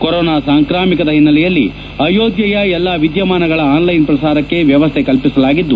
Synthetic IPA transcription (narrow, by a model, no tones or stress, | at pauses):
kɔɾɔːnaːsaːŋkɾaːmikɐd̪ɐɦinːɐlɛjɐlːḭ | ɐjoːd̪jɐjɐɛlːaʋid̪jɐmaːnɐɡɐɭɐaːnlɐjnpɾɐsaːɾɐkːe̞ʋjɐʋɐst̪ʰekɐlpisɐlaːɡid̪ːu